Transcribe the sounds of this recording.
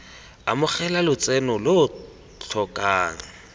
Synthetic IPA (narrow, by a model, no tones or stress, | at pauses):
amʊχɛlalʊt͡sʼɛnʊlʊ | t͡ɬʰɔkʼaːŋ̩